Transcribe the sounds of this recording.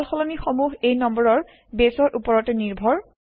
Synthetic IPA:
lxɔlɔnixɔmuɦejnɔmbɔɹɔɹ | besɔɹʔupɔɹɔtɛniɹbʱɔɹ

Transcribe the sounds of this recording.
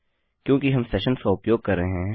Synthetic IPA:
kjõːkiɦɐmsɛːʃənskaʊpjoːɡ̚kɐɾːeeɦɛ̃

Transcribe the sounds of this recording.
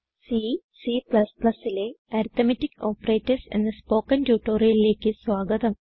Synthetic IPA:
si | siːpɭɐsplɐsileɐɾit̪ɐmɐtːikoːpːɐreːtːɐsḛnd̪ɐspo̞ːkːɐntjuːʈːoːrijɐlile̞ːkːɨsʋaːɡɐt̪ɐm

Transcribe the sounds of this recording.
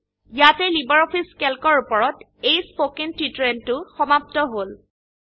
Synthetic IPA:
jatɛlibɔɹɔpʰiskelkɔɹupɔɹɔt | ejspokentitɹentʊxɔmap̚tɔɦol

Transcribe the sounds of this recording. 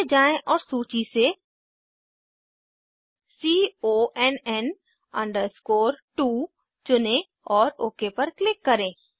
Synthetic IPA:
d͡ʒaːẽʔɔːɾsuːt͡ʃise | siːoːɛnɛn | ɐ̰̃ɳɖəɾskoːɾʈuː | t͡ʃʊnẽ | ɔːɾoːkepɐɾklɪkːɐɾẽː

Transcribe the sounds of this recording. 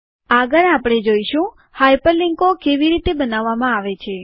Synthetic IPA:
aɡəɾapɽ̃ed͡ʒoiʃũ | hajpəliŋkokeʋiɾit̪ebənaʋːamãaʋet͡ʃʰe

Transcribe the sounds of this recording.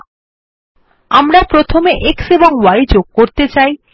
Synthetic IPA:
amɾapɾot̪ʰomeʔekseboŋwaid͡ʑoɡ̚koɾt̪et͡ɕaj

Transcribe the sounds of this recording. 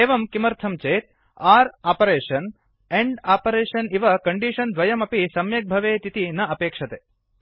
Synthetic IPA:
eːʋɐmkimɐɾt̪ʰɐmt͡ʃeːt̪̚ | aːɾaːpɐɾeːʂɐn | eɳɖaːpɐɾeːʂɐniʋɐkɐɳɖiʂɐnd̪ʋɐjɐmɐpisɐmjɐk̚bʱɐʋeːt̪it̪inɐɐpeːkʂɐt̪eː

